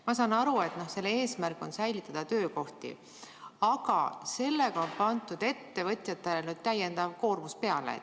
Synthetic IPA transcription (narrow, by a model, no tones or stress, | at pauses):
mɑsɑnɑɾue̞t̪no̞hse̞lːe̞ːsmærkːˑo̞nsæjlit̪ːˑɑd̪̥ɑt̪ø̞ːko̞ht̪ḭ | ɑɡ̥ɑ̰se̞lːe̞ɡ̥ɑo̞npɑnt̪ˑud̪̥e̞t̪ːe̞vɤt̪ʲˑjɑt̪ːˑelenyd̪̥̚t̪æje̞nd̪̥ɑvko̞ːrmuspe̞ɑlḛ